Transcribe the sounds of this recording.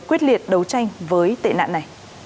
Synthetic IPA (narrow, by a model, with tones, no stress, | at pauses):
kwi˦˥ət̚li˨˩ət̚ɗə˨˦wt͡ɕa˧jŋ̟vəː˨˦jt̪ḛ˧˨na̰ː˧˨na˨˩j